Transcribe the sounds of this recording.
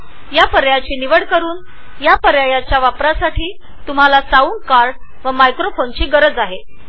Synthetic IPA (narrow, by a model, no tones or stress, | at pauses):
japəɾjat͡ɕiːniʋəɽkəɾuːn | japəɾjajat͡ɕjaʋapɾasaʈʰiː | t̪um̤alasauːnkaɾɖ | ʋəmajkɾofont͡ɕiːɡəɾəd͡zaɦe